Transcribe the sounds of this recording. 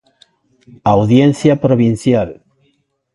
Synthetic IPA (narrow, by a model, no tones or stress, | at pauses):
awðjenθjapɾoβinθjal